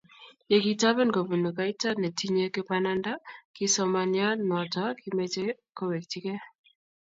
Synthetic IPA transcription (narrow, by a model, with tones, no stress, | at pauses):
je˨kita˦βɛ˦nko˨bu˨nu˨ka˦ita˦ne˨ti˦ɲe˦ke˦pananda˦ki˦sɔ˦manja˦nɔ˨taki˦meteko˦we˨k̚ti˦kɛ˦